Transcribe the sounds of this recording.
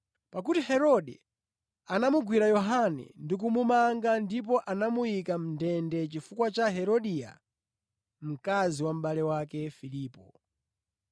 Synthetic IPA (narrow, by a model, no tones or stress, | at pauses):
pak̬utihɛɾɔɗɛ̰ | anamuɡwiɾajɔɦanɛ̰ndik̬umumaŋɡandip̬ɔʔanamujikam̩ndɛndɛt͡ʃifukwat͡ʃaɦɛɾɔɗiːja̰ | m̩kaziwam̩ɓalɛwakɛfiliːpɔ̰